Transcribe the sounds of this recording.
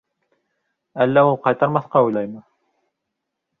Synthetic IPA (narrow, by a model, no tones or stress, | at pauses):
ælːæulˠqɑjt̪ɑɾmɑθqɑujlɑjmɤ